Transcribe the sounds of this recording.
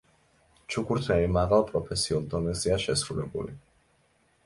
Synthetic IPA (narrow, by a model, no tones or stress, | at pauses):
t͡ʃʰukuɾt̪ʰɛɾimaɣalpʼɾɔfɛsiɔld̪ɔnɛziaʃɛsɾulɛɡṵlḭ